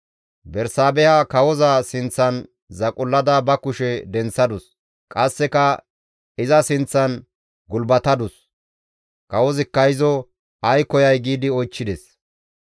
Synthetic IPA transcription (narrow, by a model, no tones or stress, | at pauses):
bɛɾsaːbɛjakɐwɔzɐsɪnt͡sːɐn | zɐkʼʊlːɐd̪ɐbɐkʊʃɛd̪ɛnt͡sːɐd̪ʊs | kʼɐsːɛkɐ | ɪzɐsɪnt͡sːɐn | ɡʊlbɐt̪ɐd̪ʊs | kɐwɔzɪkːɐɪzɔ | ɐjkɔjɐjɡiːd̪ɪɔjt͡ʃːɪd̪ɛs